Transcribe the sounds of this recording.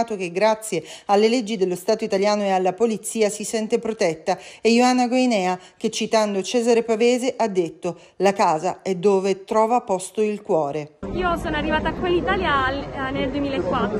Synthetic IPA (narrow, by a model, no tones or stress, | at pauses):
t̪ok̟eɡɾat̪sːjealːeled͡ʒːid̪elːost̪aːt̪oit̪aljaːnoealːapolit̪siːasisɛnt̪epɾot̪ɛt̪ːaejoanːaɡwejnɛːa | k̟et͡ʃːit̪and̪ot͡ʃɛːzaɾepaveːzeʔad̪ːet̪ːo | lakaːza̰ɛd̪ːoːvet̪ɾɔːvapɔst̪oilkwɔːɾeiːosoːnoarːivaːt̪aːkwelːit̪aljalneld̪uemiːlaekːwat̪ː